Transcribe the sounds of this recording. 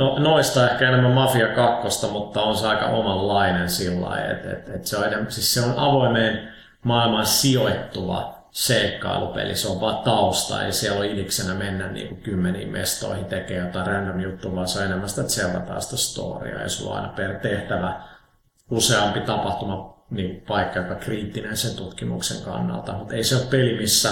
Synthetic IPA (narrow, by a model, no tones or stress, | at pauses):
nonoist̪ɑehkæenemːæmɑfiɑkɑkːost̪ɑmut̪ːɑonseɑikɑ̰ʔomɑlːɑinensilːɑ̰iḛt̪ḛt̪et̪seoenemsisseonʔɑʋoimeːn | mɑilmɑnsioit̪ːuʋɑ̰ | seikːɑ̰ilupḛlḭsoʋʋɑːt̪ɑust̪ɑ̰jɑsiɛloiliksenæmenːænnḭːŋkukymːenḭːmmḛst̪o̰ihint̪ekeːjot̪ɑirændomjut̪ːuʋɑːseoenemːæst̪æt̪selt̪ɑt̪ɑ̰ːst̪æst̪o̰ːrḭɑ̰jɑ̰sulːo̰ʔɑ̰inɑpert̪eht̪æʋæ | useɑmpit̪ɑpɑht̪umɑniːŋkupɑikːɑjokɑkriːt̪ːinensent̪ut̪kimuksḛŋkɑ̰nːɑ̰lt̪ɑmut̪eiseoppelimisːæ